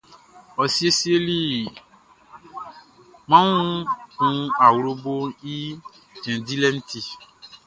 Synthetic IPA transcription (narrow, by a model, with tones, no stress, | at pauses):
ɔ˨si˦e˦si˦e˦li˦ | mã˦ŋũ˦kũ˦a˨wɾo˦bo˦i˦ | d͡ʒɛ̃˨di˦lɛ˦n̩˦ti˦